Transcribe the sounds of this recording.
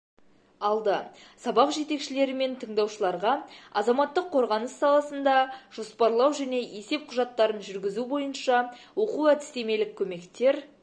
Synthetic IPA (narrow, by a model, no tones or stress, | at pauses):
ɑlˠd̪əsɑbɑqʒe̞t̪e̞kʃɪle̞ɾɪme̞nt̪ʰəɴd̪ɑwʃəlˠɑɾʁɑɑzɑmɑt̪ːəqʰːo̞ɾʁɑnəsːɑlˠɑsənd̪ɑʒ̥o̞spɑɾlˠɑwʒæne̞je̞se̞p̚qʰʊʒɑt̪ːɑɾənʒʏɾɡʲɪzubo̞jənʃɑwo̞quæt̪ɪ̥st̪e̞me̞lɪkʲʰːɵme̞kt̪e̞ɾ